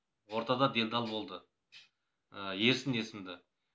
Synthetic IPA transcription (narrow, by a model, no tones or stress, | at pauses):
wo̞ɾt̪ɑd̪ɑd̪e̞ld̪ɑlˠbo̞lˠd̪ə | əje̞ɾsɪne̞sɪmd̪ɪ